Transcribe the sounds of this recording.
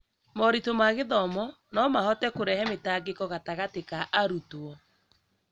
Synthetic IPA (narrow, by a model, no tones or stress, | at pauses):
mɔɾitomaɣeðɔmɔ | nɔmahɔtɛkoɾɛhɛmetaɡekɔɣataɣatekaʔaɾutoɔ